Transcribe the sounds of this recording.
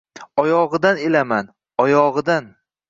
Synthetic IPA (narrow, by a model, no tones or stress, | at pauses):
ɒjɒʁɨd̪anelaman | ɒjɒʁɨd̪an